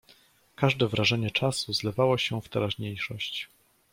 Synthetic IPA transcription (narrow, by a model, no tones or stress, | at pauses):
kaʐd̪ɛvɾaʐɛɲɛt͡ʂasuzlɛvawɔɕɛft̪ɛɾaʑɲejʂɔɕt͡ɕ